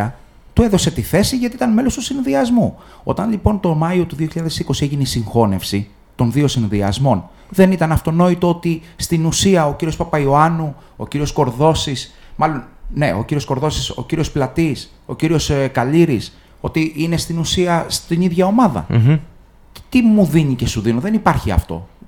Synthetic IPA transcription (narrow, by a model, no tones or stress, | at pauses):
ɐ | t̪ueðo̞se̞t̪iθe̞siʝɐt̪iit̪ɐnme̞lost̪usinðiɐzmu | o̞̰t̪ɐnlipo̞nt̪o̞mɐio̞t̪uðio̞çiʎɐðe̞siko̞sieʝinisiŋxo̞ne̞fsi | t̪o̞nðio̞sinðiɐ̰zmo̞n | ðe̞nit̪ɐnɐft̪o̞no̞it̪o̞ot̪i | st̪inusiɐociɾio̞spɐpɐio̞ɐnu | o̰ciɾio̞sko̞ɾðo̞sismɐlo̞nne̞̰ʔo̞̰ciɾiosko̞ɾðo̞siso̞̰ciɾio̞splɐt̪is | o̞̰ciɾio̞skɐliɾis | o̞t̪iʔine̞st̪inusiɐst̪iniðʝɐo̞mɐðɐ̰ | t̪imuðiɲice̞suðinoðe̞nipɐɾçiɐ̰ft̪o̞̰